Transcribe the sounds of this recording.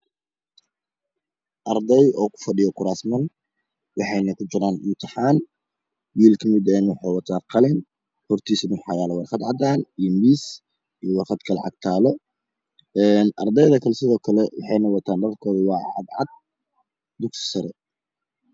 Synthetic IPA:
ʔɐrd̪ɛjɔːkʰʊ̥fɐɖɪjɔkʰʊɾaːsmɐn | wɑħɑjnɐkʰʊt͡ʃɪɾaːnʊt̪ʰɐħaːn | wiːlkʰɐmɪd̪ɛjnwʊħɑjwɑt̪ʰaːqɑlɪn | hɔrt̪ʰiːsɪmʊħɑjaːlɐwɑrχɑd̪ʕɑd̪aːnijɔmiːs | ijɔwɑrχɑd̪kʰɐlɑ̰ʕɑ̰ɡ̚t̪ʰaːlɔ | ɛːnʔɐ̰rd̪ɛjðɐkʰɐlɛsɪðɔːkʰɐlɛwɑ̰ħɑjnɐwɑt̪ʰaːnɖɑlkʰɔːðɪwɑːʕɑ̰d̪ʕɑ̰d̪̚ | d̪ʊksɪ̥sɐɾɛ

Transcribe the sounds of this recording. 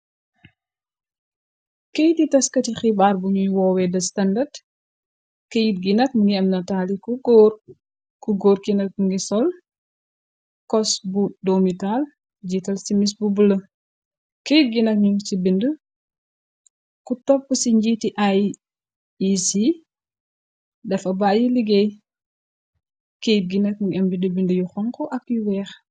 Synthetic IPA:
kejtitɐskɐtixibaːrbuɲujwɔwɛdɐstɐndɐd | kejit̚ɡinɐt̚muŋɡiɐmnɐtaːlikː | kuɡoːrkinɐt̚muŋɡisɔl | kɔsbudomital | d͡ʒiːtɐlsimis̬bubulə | kep̚ɡinɐk̚ɲuŋsibində | kutɔpːəsiɲɟitiʔaj | isi | dɛfɐbaːjiliɡɛj | kejp̚ɡinɐk̚muŋɡiɐmbidəbindəjuxɔŋkɔʔɐkjuwɛːx

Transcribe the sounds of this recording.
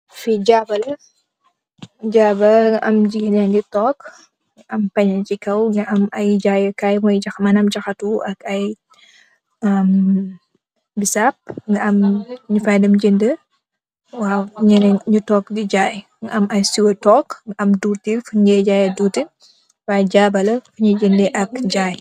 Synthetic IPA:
fid͡ʒaːbɐlɐ | d͡ʒaːbɐʔɐmd͡ʒiɡɐnɛnditɔk | ŋɐʔɐmpɐɲɐnt͡ʃikɐwŋɡɐʔɐmɐjd͡ʒajɐkaːjmɔjd͡ʒɐxmɐnɐmd͡ʒɐxɐtuʔɐkɐj | ɐm | bisap̚ŋɡɐɐmɲufajdɐmd͡ʒəndə | waːɲɛnɲutɔːk̚did͡ʒaj | ŋɡɐʔɐmɐjsiwɐtɔkŋɡɐʔɐmduːɾtifuɲɡɛd͡ʒaːjɐduːti | wad͡ʒabɐlɐfuɲɐd͡ʒəndeʔɐkd͡ʒaːj

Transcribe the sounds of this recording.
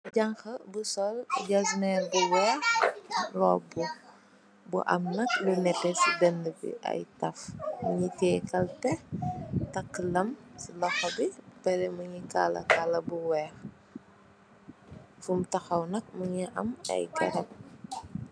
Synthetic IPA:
ɟɐŋxɐbusɔlɟaznɛbuwɛːxlɔbu | bṵʔɐ̰mnɐk̚lunɛpːɛsidəndəbḭʔɐ̰jtɐfmuɲikɛjkɐltɛ | tɐkːlɐmsilɐxɐbipɛɾɛmuɲikalɐ̰kalɐbuwɛːx | fumtɐxɐwnɐk̚muɲiʔɐ̰mɐ̰jkɐ̰ɾɐp̚

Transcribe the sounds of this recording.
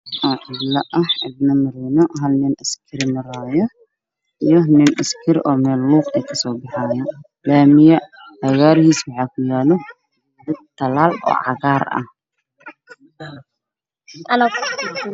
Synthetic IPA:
ʔɔːʕɪblɐʔɐhɪb̪nɐmɐɾinɔɦɐlnɪnʔɐskʰɪɾɪmɐɾaːjɔ | ʔijɔnɪnʔɐskʰɪɾʔɔːmɛːlːuːqɛjkʰɐsɔːbɑħɑːjɔ | laːmɪjɐ | ɐɣaːɾhiːswɑħɑːkʰʊjaːlɔ | d̪ɐd̪̚t̪ʰːɐlaːlɔ̰ːʕɑ̰ɣaːrɐ̰h | ɐnɐ

